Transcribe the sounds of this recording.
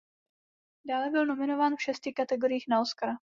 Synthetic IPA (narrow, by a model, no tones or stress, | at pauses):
daːlɛbɪlno̞mɪno̞vaːnfʃɛscɪkat̪ɛɡo̞ɾɪjiːxnaoskaɾa